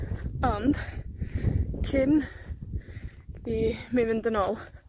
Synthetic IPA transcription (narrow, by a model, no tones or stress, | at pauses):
ɔnd̥ | kʰɪn | imɪvɪnd̪ənɔːlˠ